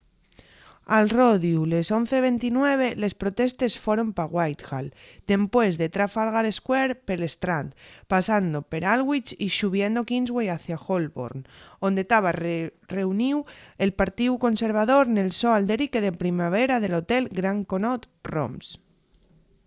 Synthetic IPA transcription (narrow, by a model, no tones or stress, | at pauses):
alroðjulesonθeβ̞ent̪inweβ̞elespɾot̪est̪esfoɾompaɣwajt̪ɣald̪̥empwezðet̪ɾafalɣaɾeskweɾpelest̪ɾant̪pasand̪opeɾalɣwit͡ʃiʃuβ̞jend̪okinzɣwejaθjaxolβo̰ɾnond̪et̪aβ̞areuniwelpaɾt̪iwkonseɾβ̞aðoɾnelsoald̪eɾikeðepɾimaβ̞eɾaðelot̪elɡɾaŋkonot̪ | ro̰ms